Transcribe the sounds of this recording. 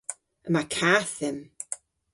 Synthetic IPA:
əmakʰaːθɪm

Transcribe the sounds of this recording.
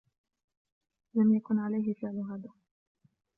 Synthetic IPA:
lamjakʊnʕalajɦɪfɪʕlʊɦaːd̪aː

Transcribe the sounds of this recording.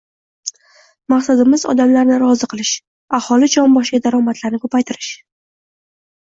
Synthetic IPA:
maqsad̪ɪmɪzɒ̰d̪amlaɾnɪɾɒzɪqʰɨlˠɪʃ | ahɒlɪd͡ʒɒnbɒʃkʲad̪aɾɒmat̪ʰlaɾnɪkʰɵpʰajt̪ʰɪɾɪʃ

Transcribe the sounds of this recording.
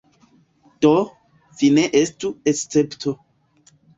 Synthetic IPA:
d̥o | vineʔestuest͡septʰo

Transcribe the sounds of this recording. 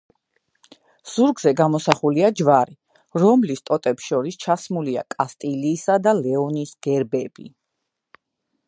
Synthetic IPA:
z̥uɾɡzɛɡamɔsaχuliad͡ʒvaɾi | ɾɔmlist̪ʼɔt̪ʼɛpsʃɔɾist͡ʃʰasmuliakʼast̪ʼiliːsad̪alɛɔnisɡ̥ɛɾbɛb̥ḭ

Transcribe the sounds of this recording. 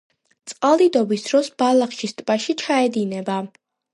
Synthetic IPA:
t̪sʼqʼalˠid̪ɔbisd̪ɾɔsb̥alˠaχʃist̪ʼbaʃit͡ʃʰaɛd̪inɛba

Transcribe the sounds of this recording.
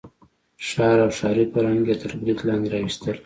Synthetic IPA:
ʃɑɾawʃɑɾipəɾɑŋɡet̪ʰəɾbɾit̪lɑnd̪eɾɑwist̪əl

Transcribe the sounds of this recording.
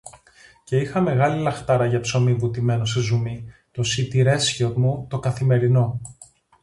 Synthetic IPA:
ce̞ixɐme̞ɣɐlilɐxt̪ɐɾɐʝɐpso̞mivut̪ime̞nosezumito̞sit̪iɾe̞sçotmut̪o̞kɐθime̞ɾino̞

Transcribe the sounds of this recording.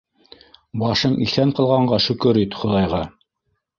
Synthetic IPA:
bɑʃɤɴḭθæɴqɤ̆lˠʁɑɴɢɑʃɵ̆kɵɾit̪χŏlˠɑjʁɑ

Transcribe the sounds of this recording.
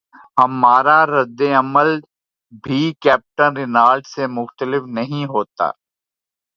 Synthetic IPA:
ɦɐmaːɾaɾɐd̪ːeɐməl | bʱikɛːp̚ʈənɾɪnaːlʈsemʊxt̪əlɪfnɐɦĩɦoːt̪a̰ː

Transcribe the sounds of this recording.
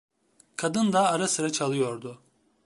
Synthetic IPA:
kʰad̪ɯnd̪aːɾasɯɾat͡ʃʰalˠɯjo̞ɾd̪ʊ

